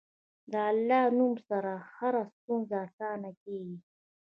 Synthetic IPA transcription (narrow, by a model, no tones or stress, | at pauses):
d̪əalːɑnumsaɾahaɾast̪unzaːsɑnakeɡi